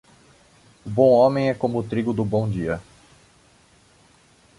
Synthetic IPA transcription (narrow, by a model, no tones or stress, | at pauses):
ʊbõw̃õmẽj̃ɛkõmʊt̪ɾiɡʊd̪ʊbõw̃d͡ʒiɐ